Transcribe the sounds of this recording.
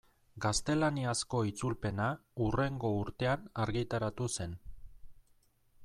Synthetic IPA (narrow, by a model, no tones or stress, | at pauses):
ɡast̪e̞laniasko̞it͡sulpe̞naure̞ŋɡo̞uɾt̪e̞anaɾɣit̪aɾat̪use̞n